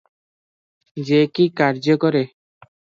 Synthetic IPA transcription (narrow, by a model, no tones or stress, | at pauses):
d͡ʒekikaɾd͡ʒɔkɔɾe